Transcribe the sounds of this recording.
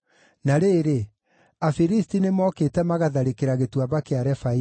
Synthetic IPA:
naɾeːɾe | afiɾistinemɔketɛmaɣaðaɾekeɾaɣetwaβakeaɾɛfai

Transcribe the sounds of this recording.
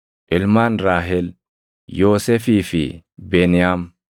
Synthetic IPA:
ʔɪlmanɾaːɦɛl | joːsɛfiːfḭbɛnɪjam

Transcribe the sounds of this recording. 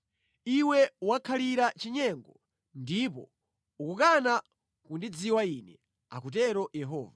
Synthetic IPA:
iwɛwakʰaliɾat͡ʃiɲɛŋɡɔ | ndipɔ | ukukana | kundid͡ziwainɛ | a̰kutɛɾɔjɛɦɔ̰ːva

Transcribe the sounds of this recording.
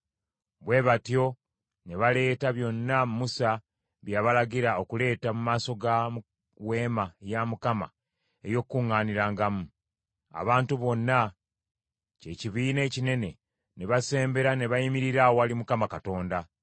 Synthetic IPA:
βwe̞ːβatjo̞ | ne̞βale̞ːtaβjo̞nːammusa | βjaːβalaɟiɾao̞kule̞ːtamumaːso̞ɡa | we̞ːmaejamukama̰ | e̞jo̞kːuŋːaːniɾaːŋɡamu | a̰βaːntuβo̞nːa | ce̞ciβiːne̞ːcine̞ne̞ | neβase̞ːmbe̞ɾane̞βajimiɾiɾawoalimukamakato̞ːnda

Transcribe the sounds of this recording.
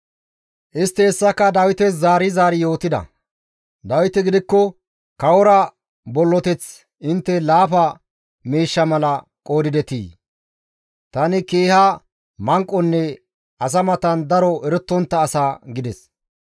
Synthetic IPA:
ʔɪst̪ːɛːsːɐkːɐd̪ɐwɪt̪ɛszaːɾɪzaːɾɪjo̞ːt̪ɪd̪ɐ̰ | d̪ɐwɪt̪ɪɡɪd̪ɪkːɔ | kɐwɔɾɐ | bɔlːɔt̪ɛt͡s | ʔɪnt̪ːɛlaːfɐ | miːʃːɐmɐlɐ | kʼo̞ːd̪ɪd̪ɛt̪ḭː | t̪ɐnɪkeːhɐ | mɐŋkʼːɔnːɛ | ɐs̬ɐmɐt̪ɐnd̪ɐɾɔɛɾɛt̪ːɔnt̪ːɐːsaːɡɪd̪ɛs

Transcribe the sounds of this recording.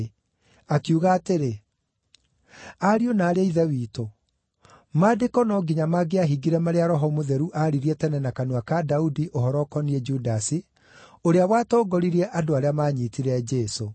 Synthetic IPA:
akiuɣaːteɾe | aɾionaːɾeeiðɛwiːto | madekɔnɔɡiɲamaɡeaɦiɡiɾɛmaɾeaɾɔɦɔmoðɛɾuʔaɾiɾiɛtɛnɛnakanwakadaudiʔohɔɾɔkɔniɛd͡ʒudasi | oɾeawaːtɔːɡɔɾiɾiɛʔadoaɾeamaːɲitiɾɛd͡ʒeso

